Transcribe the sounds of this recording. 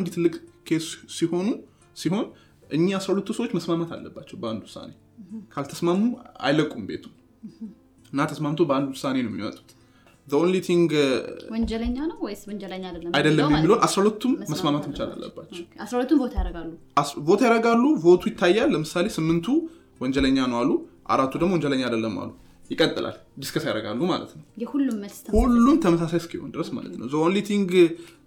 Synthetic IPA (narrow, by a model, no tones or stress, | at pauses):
nd̪it̪ʰɨlːɨkʼkʰe̞ssiho̞nu | siho̞n | ʔɨɲːiasɾahulət̪ːusəwot͡ʃːməsmamat̪ʰa̰lːəbːat͡ʃːɛwbəand̪uwʊsa̰ne̞ | kʰalt̪ʰəsmamua̰jləkʼːumbe̞̰t̪ʰum | ɨnːat̪ʰəsmamt̪ʰobəand̪uhʊsane̞nwjɛmimə̰t̪ʼu̥ | d̪əo̞nlit̪ʰiŋɡwɔɲd͡ʒɛləɲːanəwwɔjswɔɲd͡ʒɛləɲːajd̪əlːajd̪əlːəmːjɛmːilhonʔasɾaulət̪ʰːumːəsmamat̪mt͡ʃala̰lːə̰bːa̰t͡ʃːɛwasɾawlət̪ːumbot̪ʰajaɾəɡalːuʔaβo̞t̪ʰajaɾəɡalːuvo̞t̪ʰujɪt̪ʰːajːalːəmɨsale̞sɨmːɨnt̪ʰu | wɔɲd͡ʒɛləɲːanəwalːuʔa̰ɾat̪ːud̪əɡmowɔɲd͡ʒɛləɲːajd̪əlːəmːa̰lːu | jɪkʼət̪ʼːɨlʔa̰l | d̪ɨskʰəsajaɾəɡa̰lːuma̰lə̰t̪nəwjɛhulːumːəsʰhulːumt̪ʰəməsasajskʰiho̞̰nd̪ɨɾəsma̰lə̰t̪nə̰wzəʔonlit̪ʰiŋɡ